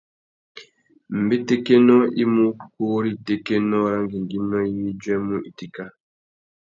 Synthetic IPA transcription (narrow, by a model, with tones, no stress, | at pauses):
m̩˨be˦te˦ke˦nɔ˦i˦mu˦koː˦ɾi˦te˦ke˦nɔ˦ɾa˦ŋɡi˨ŋɡi˦nːɔ˦jii˦d͡ʒɛ˦mu˦ʔi˨ti˨ka˨